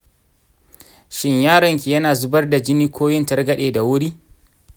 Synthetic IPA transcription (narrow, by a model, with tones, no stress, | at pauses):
ʃɪ˦ɲjaː˦ɽɐ˨ŋkʲi˨jɐ˦naː˨zʊ˦bɐ˦rda˨d͡ʒɪ˦niː˦kʷʰoː˦jɪ˦ntɐ˦rɡɐ˦ɗeː˨da˨wʊ˦ɽiː˦